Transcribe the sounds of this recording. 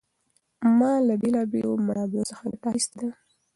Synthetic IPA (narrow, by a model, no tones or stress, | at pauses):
mɑlabelɑbelomaɽɑbɪlosəxaɡaʈaxist̪ed̪a